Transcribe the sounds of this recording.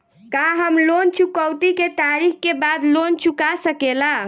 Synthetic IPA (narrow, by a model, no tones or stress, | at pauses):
kaɦəmlont͡ʃukəwt̪iket̪aɾikkebad̪lont͡ʃukasəkela